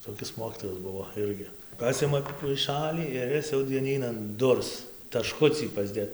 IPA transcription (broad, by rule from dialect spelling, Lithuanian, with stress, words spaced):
toːˈkʲɪs ˈmoːkʲiːtoːjɛs ˈbʊʋoː ˈɪrʲɡʲɪ ˈpɑːsʲɪmɐ pɐɪˈʃɑːlʲiː ɪr ˈɪs jɛʊ dʲiɛˈnʲiːnɐn ˈdʊrs tɐˈʃkʊt͡sʲiː pɐzʲˈdʲeːt